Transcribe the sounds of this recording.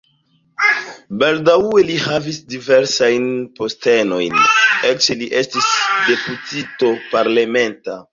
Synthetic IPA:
baldaue̞lihavisdive̞ɾsajnpo̞ste̞no̞jnelt͡ʃeliʔe̞stisde̞putito̞paɾlame̞nta

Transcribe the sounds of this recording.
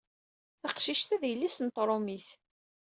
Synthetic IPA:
θɑqʃiʃt̪æðjəlːisnt̪ˤːɾˤomiθ

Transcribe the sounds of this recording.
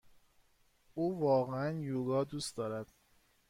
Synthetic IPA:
ʔuːvɒːɣeænjuːɡɒːd̪uːsd̪ɒːɾæd̪̥

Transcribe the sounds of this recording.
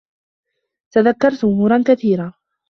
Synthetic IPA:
t̪aðakːɑɾˤt̪ʔʊmuːɾˤankaθiːɾaː

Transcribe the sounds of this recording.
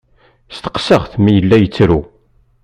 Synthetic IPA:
st̪ə̥qsəʁθmijəlːæjət͡sːɾu

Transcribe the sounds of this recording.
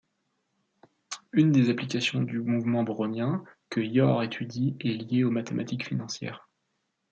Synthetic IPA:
ynd̪ezaplikasjɔ̃d̪ymuvmɑ̃bʁɔmjɛ̃kəjɔʁet̪ʰyd̪iɛljeomat̪emʔat̪ikfinɑ̃sjɛ̰ːʁ

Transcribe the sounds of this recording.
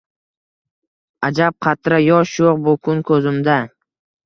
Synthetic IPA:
ad͡ʒap̚qʰɑt̪ɾajɒʃjoq̚bʊkʰʊnkʰɵzɪmd̪a

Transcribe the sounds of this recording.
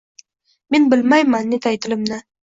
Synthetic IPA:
me̞nbɪlmajmanːet̪ʰajt̪ʰɪlɪmnɪ

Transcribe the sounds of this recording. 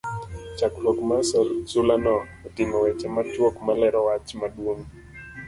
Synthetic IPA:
t͡ʃaklɔkmasasulanɔ | ɔtiŋɔwɛt͡ʃamat͡ʃwokmalɛɾɔwat͡ʃmaɗwoŋ

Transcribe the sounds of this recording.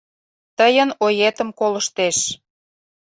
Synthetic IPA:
t̪əjənojet̪əmkolə̆ʃt̪eʃ

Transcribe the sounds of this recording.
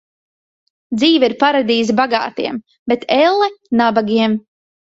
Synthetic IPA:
d̪ziːvaiɾpaɾad̪iːzbaɡa̰ːt̪iɛm | bet̪ɛlˠːɛnabaɡʲiɛm

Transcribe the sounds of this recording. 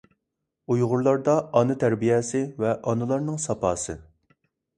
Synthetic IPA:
ujʁʊɾlˠɑɾd̪ɑɑnɨt̪ʰæɾbijɛsɪvɛʔɑnɨlˠɑɾnɨŋsɑpɑːsɨ

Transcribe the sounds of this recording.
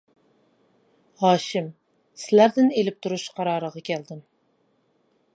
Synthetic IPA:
hɑːʃɪm | sɪlæɾd̪ɪnelɪp̚t̪ʰuɾuʃqʰɑɾɑːɾəʁɑkʲʰɛld̪ɪm

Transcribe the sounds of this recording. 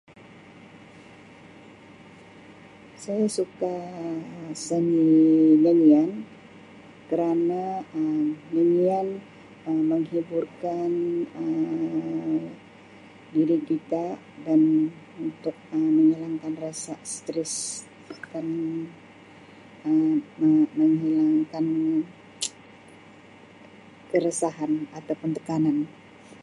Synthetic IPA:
sajasuka | səŋinənian | kəɾanaənənian | əməŋhiburkanə | diɾikit̪a | dan | unt̪ʊk̚əməŋəlaŋkanrasast̪ɾɛs | dan | əəməŋɦilaŋkan | kəɾəsaɦanat̪awpunt̪ə̥kanan

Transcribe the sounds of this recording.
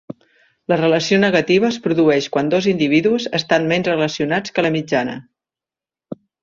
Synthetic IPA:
lərələsionəɣət̪iβ̞əːspɾuðuɛʃkwand̪ozind̪iβ̞iðuzəst̪anmɛnzrələsiunat͡skələmid͡ʒanə̰

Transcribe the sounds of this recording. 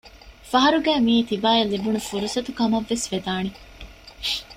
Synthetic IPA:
fɐɦɐɾuɡæːmiːt̪ibaːjɐlːibunufuɾusɐt̪ukɐmɐʋːesʋed̪aːni

